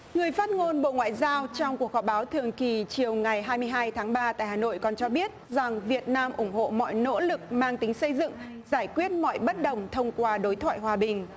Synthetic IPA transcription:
ŋɨ˨˩əjfaː˦˥t̚ŋo˧nɓo̰˧˨ŋwa̰ː˧˨jzaː˧wt͡ɕɔ˧wŋ͡mku˨˩ək̚hɔ˧˩ɓaː˨˦wt̪ʰɨ˨˩əŋki˨˩t͡ɕi˨˩əwŋa˨˩jɦaː˧jmɨ˧əjɦaː˧jt̪ʰaː˨˦ŋɓaː˧t̪a̰ː˧˨jhaː˨˩no̰˧˨jkɔ˨˩nt͡ɕɔ˧ɓi˦˥ət̚za˨˩ŋvi˨˩ət̚naː˧mʔʊ˧˩ŋ͡mɦo̰˧˨mɔ̰˧˨jno̰˧˥lɨ˨˩k̚maː˧ŋt̪ï˨˦ŋ̟sə˧jzɨ̰˧˨ŋ | zaː˧˩jkwi˦˥ət̚mɔ̰˧˨jɓə˦˥t̚ɗə˨˩wŋ͡mt̪ʰə˧wŋ͡mkwaː˧ɗo˨˦jt̪ʰwa̰ː˧˨jɦwaː˨˩ɓï˨˩ŋ̟

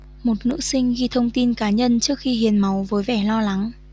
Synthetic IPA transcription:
mo˨˩t̚nɨ̰˧˥sï˧ŋ̟ɣi˧t̪ʰə˧wŋ͡mt̪i˧nkaː˨˦ɲə˧nt͡ɕɨ˦˥ək̚xi˧hi˨˦ənma˨˦wvəː˨˦jvɛ˧˩lɔ˧la˨˦ŋ

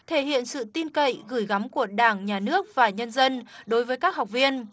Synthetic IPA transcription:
t̪ʰe˧˩hḭ˧˨ənsɨ̰˧˨t̪i˧nkə̰˧˨jɣɨː˧˩jɣa˨˦mku˧˩əɗaː˧˩ŋɲaː˨˩nɨ˦˥ək̚vaː˨˩ɲə˧nzə˧nɗo˨˦jvəː˨˦jkaː˦˥k̚ha˨˩wk͡p̚vi˧ən

